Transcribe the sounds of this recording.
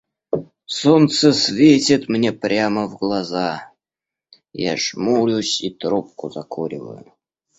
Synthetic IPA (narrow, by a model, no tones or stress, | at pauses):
sont̪səsvʲetʲɪt̪mnʲepɾʲaməvɡlˠɐza | ja̰ʂmulʲʊsʲit̪ɾopkʊzɐkʰoɾʲɪ̰və̰jʊ̰